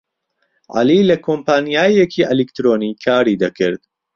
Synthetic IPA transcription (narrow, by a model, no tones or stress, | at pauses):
ʕa̰liːlɐkʰoːmpaːnijaːjekʰiːʔɐlikt̪ɾoːniːkʰaːɾiːd̪ɐkʰɪɾd̪